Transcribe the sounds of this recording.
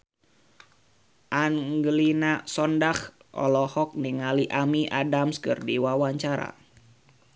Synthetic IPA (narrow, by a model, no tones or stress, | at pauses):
ʔaŋɡlinasɔndahʔɔ̰lɔhɔk̚niŋaliʔamiʔadamskɨrdiwawaɲt͡ʃaɾa̰